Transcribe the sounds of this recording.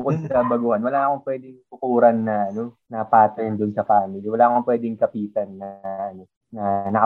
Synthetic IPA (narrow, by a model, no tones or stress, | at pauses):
bbʊkod̪̚sɐbɐɡuhanwɐlaʔɐko̞ŋpwɛːd̪ɪŋt̪ʊkuːɾɐnːɐʔɐno̞nɐpaːt̪ɐjɐnd̪ʊnsɐfaːmɪliwɐlaːʔɐkoŋpwɛːd̪ɪŋkɐpiːt̪ɐnːɐɐʔɐno̞ | nɐnɐk